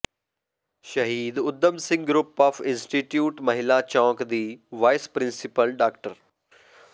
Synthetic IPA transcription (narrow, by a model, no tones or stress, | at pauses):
ʃɐɦiːd̪ʊd̪ːəmsɪ̃ŋɡɡɾʊpːaːfɪ̃nsʈiʈjuːʈmɐɦɪlat͡ʃɔ̃ːkd̪iːʋaːɪspɾɪ̃nsɪpəlɖaːkʈəɾ